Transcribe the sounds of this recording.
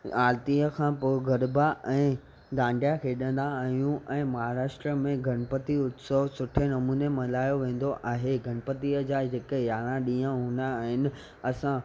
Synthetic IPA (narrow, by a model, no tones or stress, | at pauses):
aːlt̪iəkʰãpʊɡəɾbaʔɛ̃ː | d̪ãːɳɖjakʰeːɗə̃nd̪aːɦijũʔɛ̃ːmɐɦaːɾaːʃʈɾəmẽɡʱɐɽ̃pət̪iʊt̪soʋsʊʈʰenɐmuːnemɐlaːjoʋẽːn̆d̪oʔaːɦeɡʱɐɽ̃pət̪iəd͡ʑaːd͡ʑekejaːɽ̃ãɗĩːãɦũːnd̪aːɦɪnɪ̆ | ɐsã